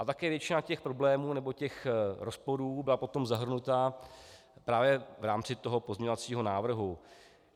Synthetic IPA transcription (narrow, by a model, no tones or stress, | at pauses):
ʔat̪akɛːvjɛt͡ʃɪnacɛxpɾo̞blɛːmuːnɛbo̞cɛxɾospo̞ɾuːbɪlapo̞t̪o̞mzaɦr̩nut̪a | pɾaːvjɛvɾaːmt͡sɪt̪o̞ɦo̞po̞zmɲɛɲo̞vat͡siːɦo̞naːvr̩ɦu